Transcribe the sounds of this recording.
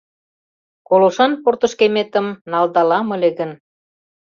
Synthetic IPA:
koloʃɑnport̪ə̆ʃkemet̪ə̆mnɑld̪ɑlɑməleɣə̆n

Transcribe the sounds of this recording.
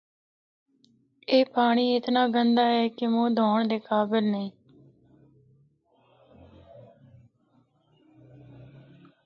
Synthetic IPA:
eːpaːɽ̃iːɪt̪naːɡənd̪aːɦɛːkɪmõːd̪ʱɔːɳd̪eːkaːbɪlnẽː

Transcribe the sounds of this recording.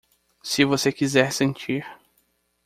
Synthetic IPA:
sɪvosekizɛɾsẽnt͡ʃiɾ

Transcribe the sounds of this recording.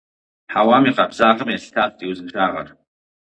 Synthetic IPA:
ħawamiqʼabzaːqʼəmjastʰastʼiwuznʃʰaʁa̰r

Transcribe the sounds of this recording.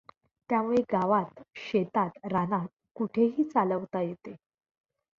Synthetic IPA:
t̪jamuɭeɡaʋat̪ɕet̪at̪ɾanat | kuʈʰeɦiːt͡saləʋt̪ajet̪e

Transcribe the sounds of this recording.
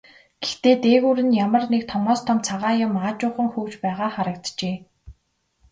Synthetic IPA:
ɡ̥ext̪eːt̪eːɣuːɾɘ̆njamə̆rnek̚t̪ʰɔmɔːst̪ʰɔmt͡sʰaʁaːjʊ̆maːt͡ɕʊːχə̆ŋxɵwt͡ɕpæːʁaːχaɾə̆k̚t̪t͡ɕeː

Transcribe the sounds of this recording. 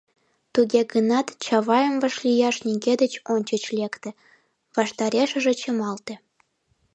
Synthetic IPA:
t̪uɡʲeɡənɑt̪t͡ɕɑβɑjɤ̆mvɤ̆ʃlʲijɑʃnʲiɡʲed̪ə̆t͡ɕonʲt͡ɕə̆t͡ɕlʲekt̪ĕ | vɑʃt̪ɑɾʲeʃə̆ʒĕt͡ɕɤ̆mɑlt̪ĕ

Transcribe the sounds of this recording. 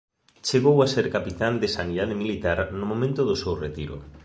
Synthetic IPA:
t͡ʃeɣ̞owaseɾkapit̪and̪ɪsaniðað̞ɪmilit̪aɾnʊmomẽnt̪ʊðʊsewret̪iɾʊ̰

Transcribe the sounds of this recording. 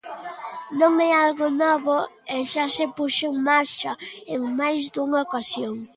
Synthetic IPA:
nõŋɛalɣʊnɔβoeʃasepuʃeuŋmaɾʃɐeŋmajzd̪uŋaokasjoŋ

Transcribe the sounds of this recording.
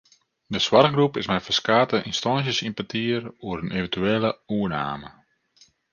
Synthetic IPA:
dəswarxɡrupɪsmɛjfəskaːtəʔinstɔns̬jəsinpatʰiəruəɾənʔevəntyeːləuəna̰ːmə

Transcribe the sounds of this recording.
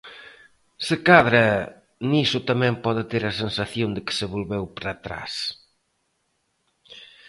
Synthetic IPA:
sɪkaðɾɐ | nisʊt̪amɛ̃mpɔðɪt̪eɾɐsensaθjond̪ɪkɪ̥sɪβolβewpɾat̪ɾa̰s

